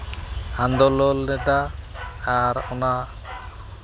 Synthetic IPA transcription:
and̪ɔlɔlnɛt̪aː | ɾona

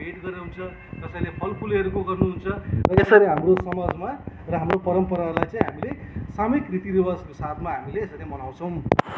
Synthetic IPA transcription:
bʱeʈɡʌɾeũnt͡sʰʌ | t̪ʌsãĩlepʰʌlpʰuleʌɾukoɡʌrnuɦunt͡sʰʌrʌesʌɾeɦamrosʌmʌd͡zmarʌɦamropʌɾʌmpʌɾalajt͡sãĩɦamilesamekrit̪iɾiwaskosat̪ʰmaɦamileesʌɾemʌnaw̃t͡sʰʌ̃w̃

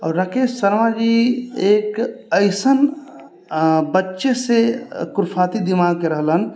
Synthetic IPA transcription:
ɔːɾːəkʰeʃsəɾmad͡ʒieːkəɪsən | bətːʃesekʊɾpʰat̪id̪imaɡ̚keɾəɦlən

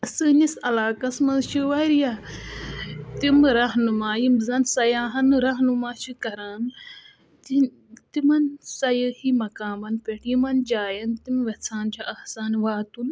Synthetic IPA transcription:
ɐsɨːnisɐlaːkɐsmɐnzʃiʋɐɾja | t̪imɾɐɦnumaːjimzɐnsɐjaːɦɐnɾɐɦnumaːʃikɐɾaːn | t̪i | t̪imɐnsɐjəhimɐkaːmɐnpʲeʈjimɐnd͡ʒaːjɐnt̪imʋɐt͡sʰaːnt͡ʃʰaʔɐhsaːnʋaːt̪un

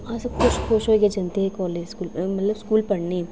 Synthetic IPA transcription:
ãːsɐbkʊʃxʊʃɦoked͡ʒɐnt̪eɦɛkɔːleːd͡ʒskuːlemɐt̪ləbskuːlpɐɽniɛ

